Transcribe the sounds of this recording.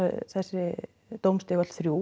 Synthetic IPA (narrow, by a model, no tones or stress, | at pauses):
θɛsːɪ | t̪owmst̪ɪɣḁθɾjuː